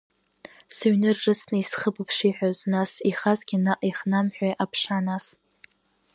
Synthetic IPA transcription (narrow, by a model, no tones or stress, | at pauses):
sɨɥnɨrʈ͡ʂʼɨsnɨisχəbupʰʂiħʷᶣaznasiχazɡʲɪnaʔiχnamħᶣʷajʔapʰʂanas